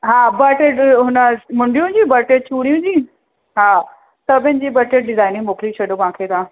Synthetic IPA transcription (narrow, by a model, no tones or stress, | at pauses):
ɦaːbɐʈeɦʊnəmʊ̃ɳɖijũd͡ʑiːbɐʈet͡ɕuːɽijũd͡ʑiː | ɦaː | sɐbʱɪnɪ̆d͡ʑiːbɐʈeɖɪzaːɪnɪ̃ŋmoːklit͡ɕʰɐɗoʋãːkʰet̪ʰãː